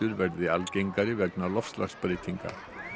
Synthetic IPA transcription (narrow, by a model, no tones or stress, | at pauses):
ʏɾvɛɾðɪa̰lcejŋkaɾɪvɛknalɔft̪laxspɾejt̪ʰiŋka̰̥